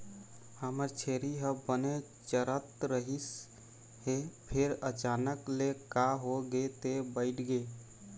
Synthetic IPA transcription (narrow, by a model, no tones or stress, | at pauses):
həməɾt͡ʃʰeɾiɦəbəne | t͡ʃəɾət̪ɾəɦis | hepʰeɾət͡ʃanəklekaɦoɡet̪ebəɪʈʰɡe